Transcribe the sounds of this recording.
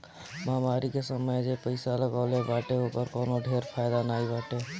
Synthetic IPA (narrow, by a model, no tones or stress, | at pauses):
maːmaːɾikesəməjd͡ʒepəɪsaləɡaːlebaːʈeɦoːkəɾkɔːnoɖʱeːɾpʰaːjd̪anaːibaːʈeː